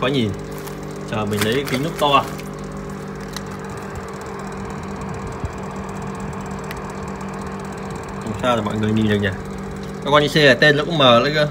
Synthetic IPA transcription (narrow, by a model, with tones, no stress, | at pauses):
kɔ˨˦ɲi˨˩n | t͡ɕəː˨˩mï˨˩ŋ̟lə˨˦jki˨˦nʊ˦˥k͡p̚t̪o˧a˨˩ | ksaː˧laː˨˩mɔ̰˧˨jŋɨ˨˩əjni˨˩zɨ˨˩ɲaː˨˩ | kɔ˨˧˦waː˧ʔi˧se˧aː˨˩t̪e˧nlə˨˦˥kʊ̰˧˥ŋ͡mməː˨˩lə˨˦jə˧